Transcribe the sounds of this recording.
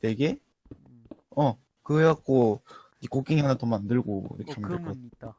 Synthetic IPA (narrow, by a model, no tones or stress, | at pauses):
teɡe | ʌ | kɯeak͈o | ikok͈iŋiɦanat̪omandɯɭɡojo̰kʰe̥t͡ɕʰomeɯa